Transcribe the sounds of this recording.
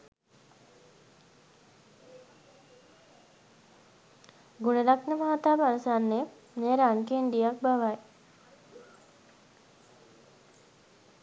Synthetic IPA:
ɡunelaknəmaɦat̪aːʋəanusanːe | neɾaŋkenɖ̪ijak̚baʋaj

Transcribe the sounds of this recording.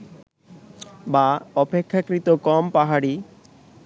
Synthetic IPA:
baɔpekʰːakɾit̪okɔmpaɦaɽi

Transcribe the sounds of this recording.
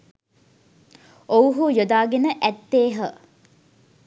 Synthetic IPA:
owɦujod̪aːɡenəʔɛt̪ːeːɦə

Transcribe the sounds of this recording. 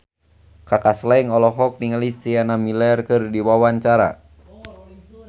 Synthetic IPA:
kakaslaiŋɔlɔɦɔk̚niŋalisianamilɛrkɨrdiwawaɲt͡ʃaɾa̰

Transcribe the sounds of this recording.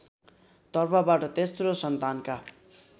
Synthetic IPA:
t̪ʌrpʰʌbaʈʌt̪esrosʌnt̪anka

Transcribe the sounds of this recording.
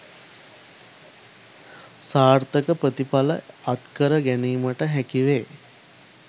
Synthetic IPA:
saːɾt̪əkəpɾət̪ipalə̰at̪kəɾəɡæniːməʈəɦækiʋeː

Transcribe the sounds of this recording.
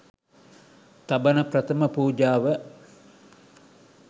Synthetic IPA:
t̪ɐbənəpɾɐt̪əməpuːd͡ʒaːʋə

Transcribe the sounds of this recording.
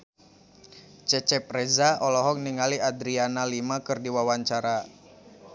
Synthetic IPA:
t͡ʃɛt͡ʃɛpɾɛzaɔlɔɦɔk̚niŋaliadɾianalimakɨrdiwawaɲt͡ʃaɾa

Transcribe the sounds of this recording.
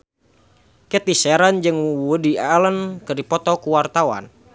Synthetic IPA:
kət̪isɛɾand͡ʒɨŋudialənkɨrdipɔt̪ɔkuwart̪awa̰n

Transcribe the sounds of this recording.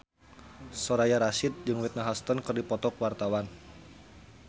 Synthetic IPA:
sɔɾajaɾasɪt̪̚d͡ʒɨŋwit̪̚naɦɔst̪ɔnkɨrdipɔt̪ɔkwart̪awan

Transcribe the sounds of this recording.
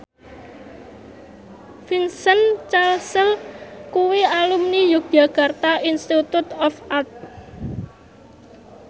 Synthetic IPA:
finsənt͡ʃalsəlkuwialumnijuɡjaɡ̥a̤rt̪ainst̪it̪ut̪ɔfat̪̚

